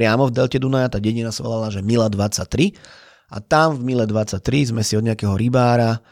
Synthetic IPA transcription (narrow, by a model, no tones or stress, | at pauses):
pɾɪamɔvd̪ɛlcɛd̪unajat̪aːɟɛɲinasaʋɔ̰lalaʒɛmilad̪ʋat͡sac̚t̪ɾi | ʔa̰t̪amvmilɛd̪ʋat͡sːac̚t̪ɾizmɛsiɔd̪ɲɛakɛɦɔɾibaːɾa